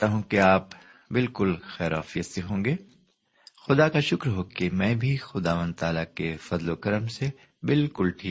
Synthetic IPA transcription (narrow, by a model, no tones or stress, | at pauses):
t̪aɦũkeaːp | bɪlkʊlxɛːɾa̰ːfijət̪seɦõːŋɡeː | xʊd̪akaʃʊkɾɦoːkemɛ̃ːbʱixʊd̪aːʋə̃nd̪̚t̪aːlakefɐzlokɐɾəmse | bɪlkʊlʈʰiːk